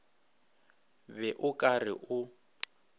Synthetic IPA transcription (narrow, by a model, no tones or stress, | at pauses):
bɛʔʊkʼarɪ̰ʔʊ